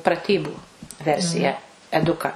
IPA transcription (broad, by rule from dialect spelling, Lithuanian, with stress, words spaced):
prɐˈtʲiːbuː ˈʋʲɛrʲsʲɪjæː ɛˈdʊkɐ